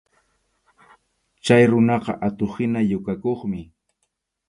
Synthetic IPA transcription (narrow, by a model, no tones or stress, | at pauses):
t͡ʃajɾʊnɑqɑ̰ʔat̪oχɪnajʊkakoχmɪ